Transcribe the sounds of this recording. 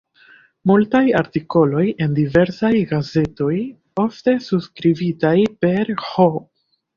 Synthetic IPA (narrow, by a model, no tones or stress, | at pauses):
multajaɾtiko̞lo̞je̞ndive̞ɾsajɡaze̞to̞j | o̞fte̞suskɾivitajpe̞ɾho